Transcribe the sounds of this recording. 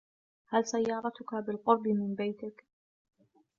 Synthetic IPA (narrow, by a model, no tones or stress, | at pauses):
halsajːɑːɾˤɑt̪ʊkabɪlqʊɾˤbɪmɪnbajt̪ɪk